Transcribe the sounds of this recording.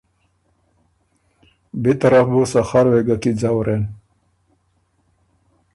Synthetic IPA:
bet̪aɾafbosaxaɾweɡakid͡zawɾen

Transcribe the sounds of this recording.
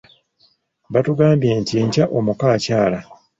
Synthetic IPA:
βatuɡaːmbje̞ːntie̞ɲcaʔo̞mukaːcaːla

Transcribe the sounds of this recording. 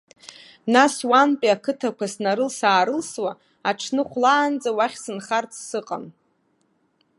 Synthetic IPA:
naswanpʼiakʰɨtʰakʷasnaɾɨlsaːɾɨlswa | aʈ͡ʂʰnɨχʷlaːnd͡zʼawaχʲsɨnχart͡sʰʼsɨqʼa̰n

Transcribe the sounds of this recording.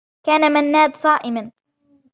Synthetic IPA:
kaːnamanːaːd̪sˤɑːʔɪman

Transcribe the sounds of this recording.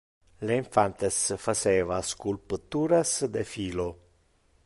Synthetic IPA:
leiɱfant̪esfaseːvaskulpət̪uːɾasd̪efiːlo

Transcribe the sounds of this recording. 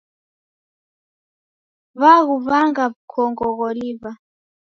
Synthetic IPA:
βaɣuβaŋɡabkʰɔŋɡɔɣɔliβa

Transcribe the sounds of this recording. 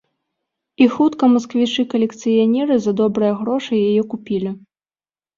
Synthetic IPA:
ixut̪kɐmɐskvʲit͡ʂɨkɐlʲɛkt̪sɨjanʲɛɾɨzɐd̪ɔbɾɨjɐɣɾɔʂɐjajɛkupʲilʲi

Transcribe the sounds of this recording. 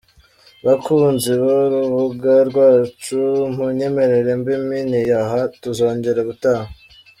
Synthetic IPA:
βakʰunziβoɾuβuɡaɾɡwaːt͡ʃum̥huɲe̞me̞ɾe̞ɾe̞mbiminijaɦatuzo̞ːɲɟe̞ɾeβutaːha

